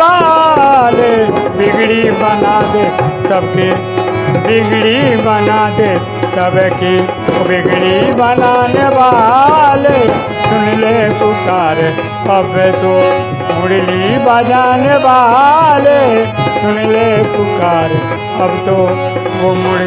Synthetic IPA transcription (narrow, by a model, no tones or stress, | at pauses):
a | lebɪɡɽibənaːd̪esəb̚ki | bɪɡɽibənaːd̪e | səbki | bɪɡɽibənaːneʋaːle | sʊnlekʊkaːɾ | əbet̪o | mʊɽlibəd͡ʒaːneːʋalesʊnlekʊkaːɾ | əbt̪o | ʋomʊɽ